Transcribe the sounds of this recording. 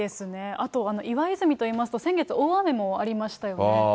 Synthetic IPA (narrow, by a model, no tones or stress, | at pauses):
e̞sɨne̞at̪o̞ano̞ʔiβaizɨmʲit̪o̞iːmasɨ̥t̪o̞sẽ̞ŋɡe̞t͡sɨo̞ːame̞mo̞aɾʲimaɕi̥t̪ajo̞ne